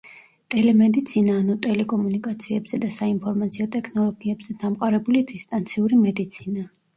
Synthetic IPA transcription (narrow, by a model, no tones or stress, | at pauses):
t̪ʼɛlɛmɛd̪it̪sʰinaːnut̪ʼɛlɛkʼɔmunikʼat̪sʰiɛbz̥ɛd̪asainpʰɔɾmat̪sʰiɔt̪ʼɛkʰnɔlˠɔɡiɛbz̥ɛd̪amqʼaɾɛbulid̪ist̪ʼant̪sʰiuɾimɛd̪it̪sʰina